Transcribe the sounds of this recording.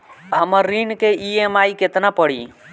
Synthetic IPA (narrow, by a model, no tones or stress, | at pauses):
həməɾːinkeʔiemaiket̪napəɽḭ